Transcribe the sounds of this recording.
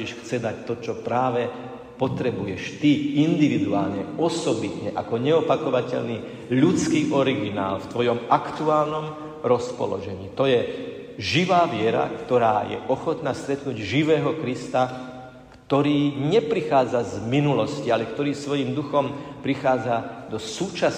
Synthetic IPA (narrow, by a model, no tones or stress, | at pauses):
iʃxt͡sɛd̪ac̚t̪ɔt͡ʃɔpɾaːʋɛ | pɔt̪ɾɛbujɛʃt̪iind̪iʋid̪ua̰ːlɲɛɔsɔbit̪ɲɛʔakɔɲɛɔpakɔʋacɛ̰ʎniː | ʎut͡skiːʔɔɾiɡina̰ːlft̪ʋɔjɔmakt̪uaːlnɔm | ɾɔspɔ̰lɔ̰ʒɛɲiːt̪ɔjɛ | ʒiʋaːʋɪɛɾa̰kt̪ɔɾaːjɛ̰ʔɔxɔt̪naːst̪ɾɛt̪nuɟʒiʋɛːɦɔkɾist̪a | kt̪ɔɾiːɲɛpɾixaːd͡zazminulɔscialɛkt̪ɔɾiːsʋɔjimd̪uxɔmpɾixaːd͡zad̪ɔsuːt͡ʃas